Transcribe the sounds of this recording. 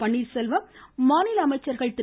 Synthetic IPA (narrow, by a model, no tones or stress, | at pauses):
pɐɳːilsɛlʋɐmmaːnɪlɐɐmɐɪt͡ʃːɐɾɣɐɭt̪ɪɾ